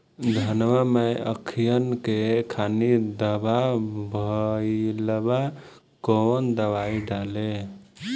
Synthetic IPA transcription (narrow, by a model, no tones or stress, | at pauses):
d̪ʱənʋameəkʰijənkekʰanid̪əbabʱəiləba | kond̪əβaiɖale